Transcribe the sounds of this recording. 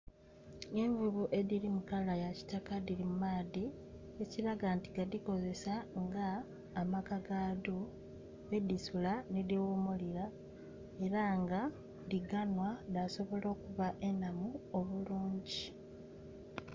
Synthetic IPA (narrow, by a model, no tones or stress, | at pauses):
eɲvuβuʔe̞diɾimukalajaci̥takadiɾimumaːði | eciɾaɡantiɡadiko̞ze̞saŋɡaː | makaɡadu | edisulanidiwomuliɾa | e̞ɾaŋɡa | diɡanwanaso̞βo̞lo̞ːkuβaʔe̞namuoβuluːɲɟi